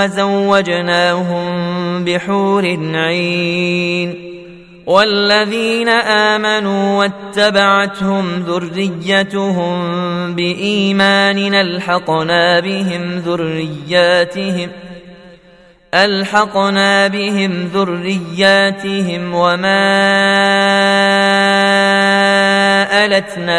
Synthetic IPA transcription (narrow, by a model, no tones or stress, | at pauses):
azawːad͡ʒnaːɦʊmbɪħuːɾɪnʕi | n | walːaðiːnaʔaːmanuːwat̪ːabaʕat̪hʊmðʊrːɪjːat̪ʊhʊmmbɪʔiːmaːnɪʔalħɑqnaːbɪɦɪmðʊrːɪjːaːt̪ɪhɪm | ʔalħɑqnaːbɪɦɪmðʊrːɪjːaːt̪ɪɦɪmwamaː | ʔalat̪naː